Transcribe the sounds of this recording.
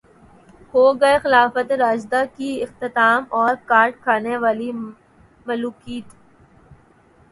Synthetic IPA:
hoːɡɐexɪlaːfət̪eɾaːd͡ʒd̪akiɪxt̪ɪt̪aːmɔːɾkaːɾʈ̚kʰaːneʋaːli | mɐluːkiːt̪

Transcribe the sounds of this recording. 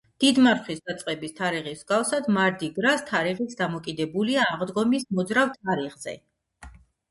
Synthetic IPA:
d̪̥id̪maɾχʰwisd̪at̪sʼqʼɛbist̪ʰaɾiʁisɡafsad̪maɾd̪iɡɾast̪ʰaɾiʁit̪sʰd̪amɔkʼid̪ɛbuliaːʁd̪ɡɔmismɔd̪zɾavt̪ʰaɾiʁz̥ɛ̰

